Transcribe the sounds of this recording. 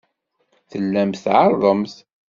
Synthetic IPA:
θəlːæmθʕɑɾˤðˤəmθ

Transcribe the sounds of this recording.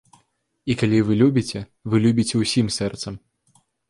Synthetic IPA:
ikalʲivɨlʲubʲit͡sʲɛ | vɨlʲubʲit͡sʲɛwsʲimsɛrt̪sɐm

